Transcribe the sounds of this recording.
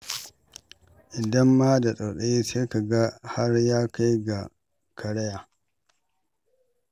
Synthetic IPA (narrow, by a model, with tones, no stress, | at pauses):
ʔɪ˨dɐ˦mːaː˦da˨sa˨wɗe˦ji˦seː˦ka˨ɡa˦ha˦rjaː˦ka˦jɡa˨ | kʰɐ˨ɽɛ˦ja˨